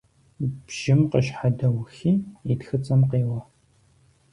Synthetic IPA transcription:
b̥ʒ̥ɪmqəʃħadɐwxiːitxɨt͡sʼɐmqeːwɐ

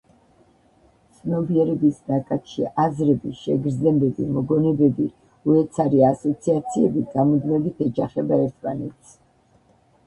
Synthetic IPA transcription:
tt̪sʰnɔbiɛɾɛbisnakʼat̪ʰʃiʔazɾɛbiʃɛɡɾd̪znɛbɛbimɔɡɔnɛbɛbi | uɛt̪sʰaɾiasɔt̪sʰiat̪sʰiɛbiɡamɔd̪mɛbit̪ʰɛd͡ʒaχɛbaɛɾt̪ʰmanɛt̪sʰ

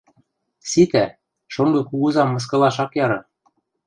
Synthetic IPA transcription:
sit̪æ | ʃoŋɡɤ̆kuɣuzɑmːɤ̆s̬kɤ̆lɑʃɑkjɑɾɤ̆

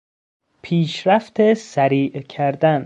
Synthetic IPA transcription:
pʰiːʃɾæft̪ʰesæɾiːʔkʰæɾd̪æn

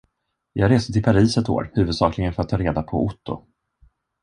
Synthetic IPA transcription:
jɑːɡɾeːsət̪ɪlpʰaɾiːsɛt̪ːo̰ːɾhʉ̟vɵd̪sɑːklɪɡənfœɾat̪ʰːɑːɾeːd̪apʰɔʊt̪ːʊ̰

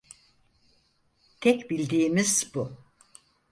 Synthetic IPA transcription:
t̪ʰɛcbilʲd̪iːmiz̥bu

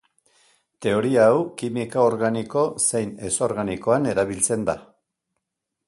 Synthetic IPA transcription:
t̪e̞o̞ɾiaːwkimikaoɾɣaniko̞se̞jne̞so̞ɾɣaniko̞ane̞ɾaβ̞ilt͡se̞nd̪a̰

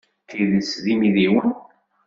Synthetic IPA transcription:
θiðəsðimiðiwən

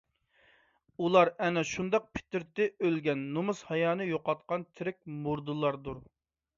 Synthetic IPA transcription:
ulˠɑɾɛnɛʃund̪ɑq̚pʰɪ̥t̪ɪɾt̪ɪølɡʲɛnːumushɑjɑːnɨjoqɑt̪̚qɑnt̪ʰɪɾɪk̚ʲmuɾd̪ɨlˠɑɾd̪uɾ

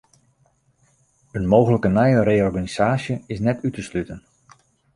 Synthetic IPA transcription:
ənmoːwɣələkənɛjərejɔrɡaniz̥aːsjəɪsnɛtʰytəslytən

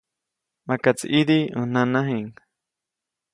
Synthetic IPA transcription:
makat͡sḭʔidiʔə̃n̥ãnãɦiŋ

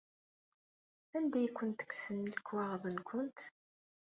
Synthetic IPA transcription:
ænd̪æjkʷːənt̪ə̥ksənːələkːwæʁðˤənkʰʷənt̪

